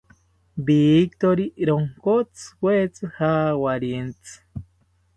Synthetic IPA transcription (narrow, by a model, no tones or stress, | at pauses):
biːk̚t̪oɾiɾoŋkot͡sɨ̥wet͡sɨhawaɾient͡sɨ̥